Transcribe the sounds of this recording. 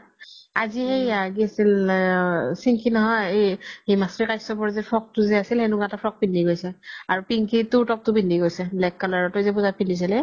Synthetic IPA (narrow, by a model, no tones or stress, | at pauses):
azihejaɡiasil | siŋkʰinɔɦɔjejhejmasɹikajsɔpɔɹzɛpʰɹɔk̚tʊzɛasilhenuɡãtapʰɹɔk̚pindʱiɡojsɛaɹupiŋkʰitutɔk̚tʊbindʱiɡojsɛblɛkːalaɹɔtʊzɛpuzapindis̬ilɛ